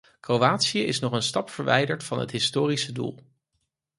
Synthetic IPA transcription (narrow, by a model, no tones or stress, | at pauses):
krowaːtsiəɪsnɔχənstɑpfəɹʋɛ̰jdəɹtfɑnɦə̰tɦɪstoːrisədṵlˠ